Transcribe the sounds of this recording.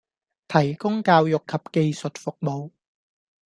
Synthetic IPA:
t̪ʰɐ˨˩jkʊ˥ŋkaː˧wjʊ˨kʰːɐ˨p̚ke˧jsɵ˨t̚fʊ˨k̚mo˨w

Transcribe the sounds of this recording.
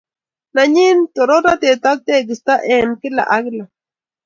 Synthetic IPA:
na˨ɲi˦nt̪o˨ɾo˦ɾa˦t̪e˨t̪a˦k̚t̪eː˦ki˨st̪a˦ʔe˨mki˦la̰˨ʔa˦ɡla˨

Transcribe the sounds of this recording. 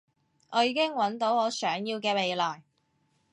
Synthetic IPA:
ʔɔː˨˧jiː˨˧kɪ˥ŋwɐ˨˥nt̪o˨˥wɔː˨˧sœː˨˥ŋjiː˧wkɛː˧me˨jlaː˨˩j

